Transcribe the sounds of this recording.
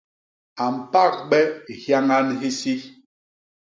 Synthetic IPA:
a˨m̩˨pa˦˨k̚ɓɛ˦hja˦ŋa˦nɦi˦si˦

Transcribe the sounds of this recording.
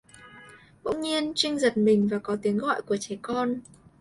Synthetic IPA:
ɓo̰˧˥wŋ͡mɲi˧ənt͡ɕï˧ŋ̟zə˨˩t̚mï˨˩ŋ̟vaː˨˩kɔ˨˦t̪i˨˦əŋɣɔ̰˧˨jku˧˩ət͡ɕɛ˨˦kɔ˧n

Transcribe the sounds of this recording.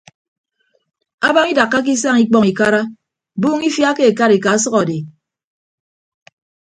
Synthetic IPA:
a˦ba˦ŋi˦da˨kːa˦k̬i˦s̬a˦ŋi˦k͡pɔ˦ŋi˨ka˦ɾa˦˨ | buː˦ŋi˦fja˦ke˦e˨ka˦ɾi˨ka˨˦s̬ɔ˦ɣɔ˨de˨

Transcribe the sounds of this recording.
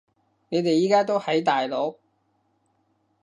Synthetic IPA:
ne˨˧jt̪e˨jːiː˨˥kaː˥t̪o˥whɐ˨˥jt̪aː˨jlo˨˧˥w

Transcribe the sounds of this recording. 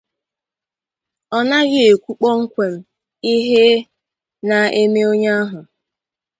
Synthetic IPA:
ɔ˦na˦ɡɪ˦e˨kʷu˦k͡pɔ˦ŋ̩˦kʷe˨m̩˦ | i˦ɦe˦ | na˨e˦me˦o˦ɲa˦a˦ɦʊ˨

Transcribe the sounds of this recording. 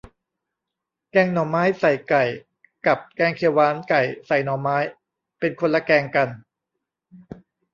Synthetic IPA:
kɛː˧ŋnɔː˨˩˦maː˦˥jsa˨˩jka˨˩j | ka˨˩p̚kɛː˧ŋkʰeː˧waː˦˥nka˨˩jsa˨˩jnɔː˨˦maː˦˥j | pe˧nkʰo˧nla˧˥kɛː˧ŋka˧n

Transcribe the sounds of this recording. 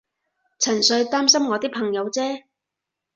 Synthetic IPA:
t͡sʰɐ˨˩nsɵ˨˧ɥt̪aː˥msɐ˥mŋɔː˨˧t̪iː˥k̚pʰɐ˨˩ŋjɐ˨˧wt͡sɛː˥

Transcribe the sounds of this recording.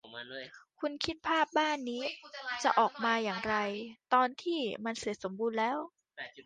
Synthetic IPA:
kʰu˧nkʰi˦˥t̪̚pʰaː˥˩p̚baː˥˩nːiː˦˥t͡ɕa˨˩ʔɔː˨˩k̚maː˧jaː˨˩ŋɾa˧jt̪ɔː˧nt̪ʰiː˥˩ma˧nsi˨˩ət̪̚so˩˦mbuː˧nlɛː˦˥w

